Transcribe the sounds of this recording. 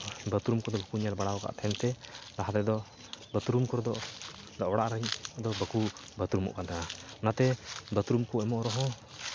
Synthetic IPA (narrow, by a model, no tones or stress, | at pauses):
bət̪ɾumkɔd̪ɔbəkuɲalbaɽawka̰ʔt̪ʰɛnt̪ɛd̪aɦad̪ɛd̪ɔ | bət̪ɾumkɔɾɔd̪ɔ | d̪ɔʔɔɽaʔɾaɲd̪ɔbəku | bət̪ɾumɔ̰ʔkatananat̪ɛbət̪ɾumkuɛmɔʔɾɔɦɔ̃